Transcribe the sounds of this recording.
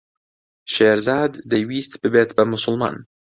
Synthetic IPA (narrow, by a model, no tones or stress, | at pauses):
ʃeːɾzaːd̪ːejwiːst̪bɨbet̪bɐmʊsʊlˠmɑ̰ːn